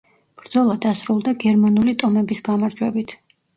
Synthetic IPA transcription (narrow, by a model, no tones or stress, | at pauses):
b̥ɾd̪z̥ɔlˠad̪asɾulˠd̪aɡɛɾmanulit̪ʼɔmɛbisɡamaɾd͡ʒwɛbit̪ʰ